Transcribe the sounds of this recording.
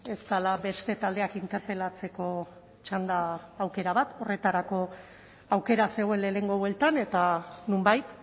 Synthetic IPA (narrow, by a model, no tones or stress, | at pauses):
e̞st̪alabe̞st̪e̞t̪ald̪e̞akint̪e̞ɾpe̞lat͡se̞ko̞ | t͡ʃand̪aːwke̞ɾaβat̪o̞re̞t̪aɾako̞ | awke̞ɾase̞ɣwelele̞ŋɡo̞βwelt̪ane̞t̪anumbajt̪